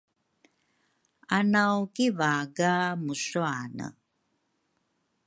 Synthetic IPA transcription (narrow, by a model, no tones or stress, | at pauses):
anawkivaɡamusuanə̰